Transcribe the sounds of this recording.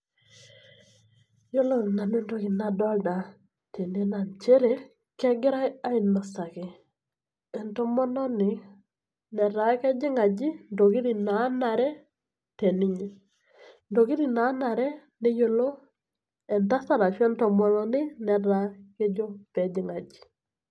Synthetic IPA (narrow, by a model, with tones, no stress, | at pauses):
jo˦lo˦na˨nɛ˦ndo˦ki˨na˨dɔ˦lda˨ | te˨n˦e˦na˨nt͡ʃe˦ɾe˦ | kɛ˦ɡɪ˦ɾa˦ja˦ɪ˨nːɔ˨sa˨kɪ˨ | ɛ˨ntɔ˦mɔ˦nɔ˦nɪ˨˦ | nɛ˨ɾa˨˦kɛ˦d͡ʒɪ˦ŋa˨d͡ʒɪ˦ndo˨ki˦ɾi˨na˨˦na˨ɾɛ˦ | tɛ˨nɪ˦ɲɛ˨ | ndo˨ki˦ɾi˨na˨˦na˨ɾɛ˦ | nɪ˦jo˨lo˦ | ɛ˨nta˦sa˦ɾa˨t͡ʃwɛ˦ntɔ˨mɔ˦nɔ˦nɪ˦nɛ˨ɾa˨˦ke˦d͡ʒo˦pɛ˨d͡ʒɪ˨˦ŋa˨d͡ʒi̥˨